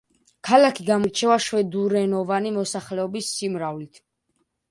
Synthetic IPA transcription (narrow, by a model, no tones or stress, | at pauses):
kʰalakʰiɡamɔɾt͡ʃʰɛvaʃwɛd̪uɾɛnɔvanimɔsaχlɛɔbisːimɾavlit̪ʰ